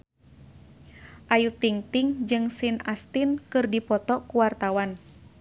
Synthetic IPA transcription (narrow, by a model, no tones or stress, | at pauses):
ʔajut̪iŋt̪iŋd͡ʒɨŋsinast̪inkɨrdipɔt̪ɔkuwart̪awan